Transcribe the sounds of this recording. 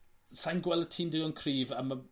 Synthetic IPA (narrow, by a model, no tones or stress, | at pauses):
sajnɡwɛlˠətʰiːndɪɔnkʰriːvəmə